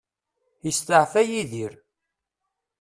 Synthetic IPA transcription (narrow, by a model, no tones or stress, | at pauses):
jəst̪əʕfæjiðiɾ